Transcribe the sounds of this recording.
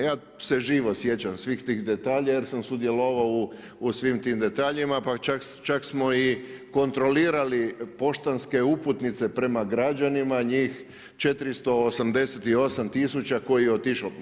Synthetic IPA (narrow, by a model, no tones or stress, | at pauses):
jaː | se̞ʒiːʋosje̞t͡ɕamsʋixt̪iːxd̪e̞t̪aːʎaje̞ɾsamsud̪je̞lo̞ʋawu | usʋimt̪iːmd̪e̞t̪aːʎimapat͡ʃakt͡ʃaksmo̞iko̞nt̪ɾo̞liːɾalipo̞ʃt̪anske̞uput̪nit̪se̞pɾe̞maɡɾad͡ʒanimaɲiːx | t͡ʃe̞t̪ɾist̪o̞ːsamd̪e̞set̪io̞samt̪isut͡ɕako̞jijeot̪iʃo